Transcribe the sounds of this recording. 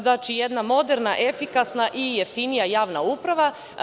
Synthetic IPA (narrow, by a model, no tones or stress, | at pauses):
znaːt͡ʃije̞d̪namo̞d̪eɾnaʔe̞fikasnaʔijeft̪inijajaːʋnaupɾaʋa